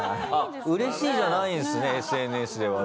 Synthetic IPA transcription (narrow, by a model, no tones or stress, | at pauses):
aa | ɯ̟ɾe̞ɕiːʑanaĩsɨne̞ːsɨe̞nɯ̟esɨd̪e̞βa